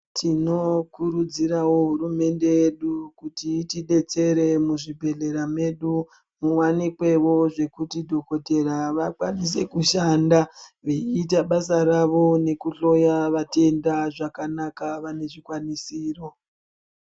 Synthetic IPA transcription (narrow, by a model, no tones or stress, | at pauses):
tʰino̞kuɾud͡ziɾawo̞ɦuɾume̞nde̞jeɗukutitiɗe̞t͡se̞ɾe̞muʐibʱe̞ɮe̞ɾame̞ɗu | muwanikwe̞wo̞ʐe̞kutidʱo̞ko̞te̞ɾaʋakwanis̬e̞kuʃandaʋeiːt̬aɓasaɾaʋo̞ne̞kuɬo̞jaʋate̞ndaʐakanakaʋane̞ʐikwanisiːro̞